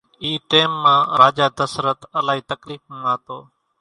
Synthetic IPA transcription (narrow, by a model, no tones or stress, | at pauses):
iːʈeːmːãːɾaːd͡ʒaːd̪əsɾət̪əlaːɦiːt̪əkliːfə̃naːt̪oː